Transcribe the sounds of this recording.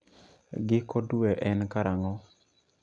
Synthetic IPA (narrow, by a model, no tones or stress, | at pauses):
ɡɪkoduɛʔɛnkaɾaŋɔ